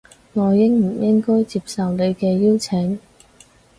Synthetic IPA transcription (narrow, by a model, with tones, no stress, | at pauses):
ŋɔː˨˧jːɪ˥ŋm̩˨˩jɪ˥ŋkɔː˥jt͡siː˧p̚sɐ˨˧wne˨˧jkɛː˧jiː˥wt͡sʰɪ˨˥ŋ